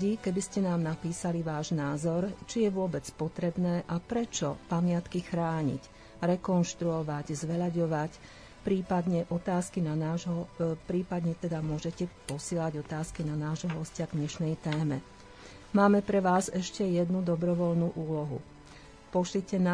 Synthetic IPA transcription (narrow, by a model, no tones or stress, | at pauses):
ɟikɛbiscɛnaːmnapiːsaliʋaːʒnaːzɔɾt͡ʃijɛʋʊɔbɛt͡spɔt̪ɾɛbnɛːʔapɾɛt͡ʃɔpamɪat̪kixɾaːɲḭc | ɾɛkɔnʃt̪ɾuɔʋaɟzʋɛʎaɟɔʋac | pɾiːpad̪ɲɛʔɔt̪aːskinanaːʒɦɔpɾiːpad̪ɲɛt̪ɛd̪amʊɔʒɛcɛpɔsɪɛːlaɟɔt̪aːskinanaːʒɦɔɦɔscɪaɡɲɛʃnɛjt̪ɛːmɛ | maːmɛpɾɛʋaːzɛʃcɛjɛd̪nud̪ɔbɾɔʋɔʎnuʔuːlɔɦṵ | pɔʃlicɛna